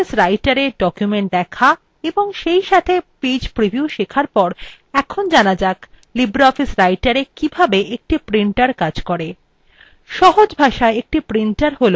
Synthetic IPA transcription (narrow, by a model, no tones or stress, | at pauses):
isɾajʈaɾeɖɔkjumeɳʈ̚d̪ɛkʰa | eboŋʃejʃat̪ʰepid͡ʑpɾibʱiuʃekʰaɾpɔɾ | ɛkʰond͡ʑanad͡ʑak | libɾaɔfisɾajʈaɾekibʱabeʔek̚ʈipɾiɳʈaɾkad͡ʑkɔɾe | ʃɔɦod͡ʑbʱaʃaeek̚ʈipɾiɳʈaɾɦolo